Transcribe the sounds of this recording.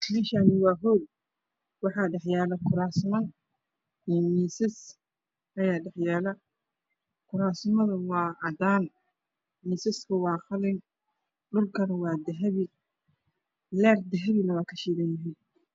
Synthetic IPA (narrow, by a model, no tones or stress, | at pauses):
kʰliʃanɪwɑːɦɔːd̪̚ | wɑħɑːɖɛħjaːlɐkʰʊɾaːsmɐn | iːmiːsɪs | ʔɐjaːɖɛħjaːlɐ | kʰʊɾaːsmɐðɐwɑːʕɑd̪aːn | miːsɪskʰʊwɑːxɐlɪŋ | ɖʊrkʰɐnɐwɑːd̪ɐɦɐβɪ | lɛːrd̪ɐɦɐβinɐwɑːkʰɐʃiːðɐnjɐɦɛj